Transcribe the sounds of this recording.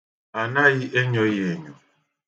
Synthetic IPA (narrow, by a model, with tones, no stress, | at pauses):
a˨na˦ɣɪ˦ʔe˦ɲɔ˦je˨ɲɔ˨